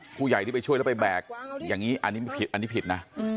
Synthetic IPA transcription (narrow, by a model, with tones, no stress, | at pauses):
pʰuː˧ja˨˩j̪ʰi˥˩˧t͡ɕʰu˥˩jlɛ˦˥pa˧jbɛː˨˩k̚jaː˨˩ŋiː˦˥ʔa̰˧nːiː˦˥m˧pʰi˨˩t̪̚ʔa˧nːiː˦˥pʰi˨˩t̪̚na˦˥